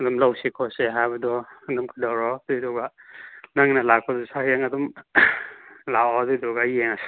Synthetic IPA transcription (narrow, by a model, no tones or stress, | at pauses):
adɔmlawsikʰɔseɦabadɔadɔmkʰɯdawɾɔdɔidɔɡanaŋnalak̚ʰɔdɔsakijaŋadɔm | laɔdɔdɔɡaieŋas